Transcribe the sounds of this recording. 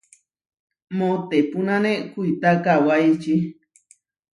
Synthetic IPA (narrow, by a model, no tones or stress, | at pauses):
mõt̪epunãnẽkuit̪akawajt͡ʃi